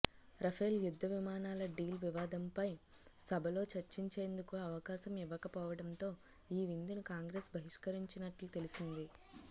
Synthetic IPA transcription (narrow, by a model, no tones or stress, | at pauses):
ɾɐpʰeːljud̪ʱːɐʋimaːnaːlɐɖiːlʋiʋaːd̪ɐmpɐj | sɐbʱɐlo̞ːt͡ʃɐɾt͡ʃiɲt͡ʃe̞ːnd̪ukuɐʋɐkaːʃɐmiʋɐkɐpɔːʋɐɽɐnt̪o̞ː | iːʋind̪inukaːŋɡɾe̞ːsbʱɐɦiʂkɐɾiɲt͡ʃinɐʈlut̪e̞lisind̪i